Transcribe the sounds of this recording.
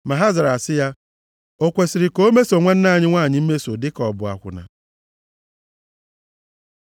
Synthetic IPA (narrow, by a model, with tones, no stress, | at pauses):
ma˨ɦa˦za˨ɾa˨sɪ˦ja˦ | o˦kʷe˨si˨ɾɪ˨ko˦o˦me˦so˨ŋʷa˦n̩˦na˦˨ɲɪ˦ŋʷa˦˨ɲɪ˨˦m̩˦me˦so˨dɪ˦kɔ˨bʊ˨a̰˨kʷʊ̰˨na̰˨